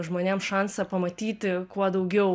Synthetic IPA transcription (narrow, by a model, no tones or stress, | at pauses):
ʒmoːnʲeɛmʃɑnsɐpɐmɐt̪ʲiːt̪ʲɪkuɔd̪ɐʊɡʲɛʊ